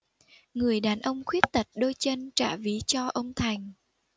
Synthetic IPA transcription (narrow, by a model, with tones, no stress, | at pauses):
ŋɨ˨˩əjɗaː˨˩nʔə˧wŋ͡mxwi˦˥ət̚t̪ə˨˩t̚ɗo˧jt͡ɕə˧nt͡ɕa̰ː˧˩vi˨˦t͡ɕɔ˧ʔə˧wŋ͡mt̪ʰa˨˩jŋ̟